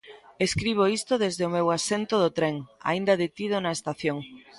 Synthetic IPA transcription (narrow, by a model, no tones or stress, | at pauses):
eskɾiβ̞oist̪oðezðeomewasent̪oðot̪ɾeŋa̰ind̪ɐðet̪ið̞onɐest̪aθjoŋ